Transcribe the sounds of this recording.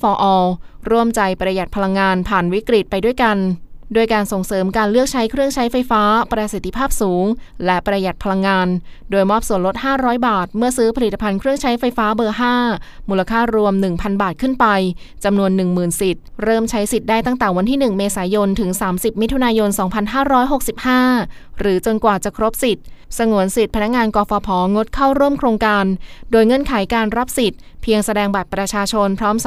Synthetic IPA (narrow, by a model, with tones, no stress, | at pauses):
fɔː˧ʔɔː˧ɾu˥˩əmt͡ɕa˧jpɾa˧ja˨˩t̪̚pʰa˧la˧ŋːaː˧npʰaː˨˩nwi˦˥kɾi˨˩t̪̚pa˧jdu˥˩əjka˧nduː˧˩əjkaː˧nso˨˩ŋsɤː˩˦mkaː˧nlɯ˥˩ək̚t͡ɕʰa˦˥jkʰɾɯ˥˩əŋt͡ɕʰa˦˥jfa˧jfaː˦˥pɾa˧si˨˩t̪ʰːi˧pʰaː˥˩p̚suː˩˦ŋlɛ˦˥pɾa˧ja˨˩t̪̚pʰa˧la˧ŋːaː˧ndoː˧jmɔː˥˩p̚su˨˩ənlo˦˥t̪̚haː˥˩ɾɔː˦˥jbaː˨˩t̪̚mɯ˥˩ɐsɯː˦˥pʰa˧li˨˩t̪ːa˧pʰa˧nkʰɾɯ˥˩əŋt͡ɕʰa˦˥jfa˧jfaː˦˥bɤː˧ɦaː˥˩muː˨˧la˧kʰaː˥˩ɾu˧əmnɯ˨˩ŋpʰa˧nbaː˨˩t̪̚kʰɯ˥˩npa˧j | t͡ɕa˧mnu˧ənːɯ˨˩ŋmɯː˨˩nsi˨˩t̪̚ɾɤː˥˩mt͡ɕʰa˦˥jsi˨˩t̪̚daː˥˩jt̪a˥˩ŋt̪ɛː˨˩wa˧nt̪ʰiː˥˩nɯ˨˩ŋmeː˧saː˩˦jo˧nt̪ʰɯ˩˦ŋsaː˩˦msi˨˩p̚mi˦˥t̪ʰu˧naː˧jo˧nsɔː˩˦ŋpʰa˧nɦaː˥˩ɾɔː˦˥jɦo˨˩k̚si˨˩p̚haː˥˩ɾɯː˩˦t͡ɕo˧nkwaː˨˩t͡ɕa˨˩kʰɾo˦˥p̚si˨˩t̪̚sa˧ŋu˨˩˦ənsi˨˩t̪̚pʰa˧na˦˥k̚ŋaː˧nkɔː˧fɔː˧pʰɔː˩˦ŋo˦˥t̪̚kʰa˥˩wɾu˥˩əmkʰɾoː˧ŋkaː˧ndoː˧jŋɤ˧˥˩nkʰa˩˦jkaː˧nɾa˦˥p̚si˨˩t̪̚pʰi˧əŋsa˧dɛː˧ŋba˨˩t̪̚pɾa˧t͡ɕʰaː˧t͡ɕʰo˧npʰɾɔː˦˥m